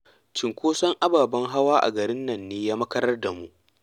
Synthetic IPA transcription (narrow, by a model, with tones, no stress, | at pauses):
t͡ʃɪ˨ŋkʷoː˦sɐ˦ŋʔa˦baː˨bɐ˦ŋɦa˦waː˦ʔa̰˨ɡɐ˨ɾɪ˦nːɐ˨nːeː˦jaː˦mɐ˦kɐ˦ɾɐ˦rda˨mu˦ʔ